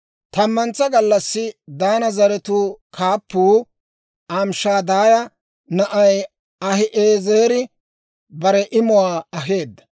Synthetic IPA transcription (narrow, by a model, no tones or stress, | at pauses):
t̪ɐmːɐnt͡sːɐɡɐlːɐsːɪd̪aːnɐzɐɾɛt̪uːkʰaːpːuː | aːmʃaːd̪aːjɐ | nɐʔɐj | ɐhɪʔeːzeːɾɪ | bɐɾɛʔɪmʊwaːɐɦe̞ːd̪ːɐ̥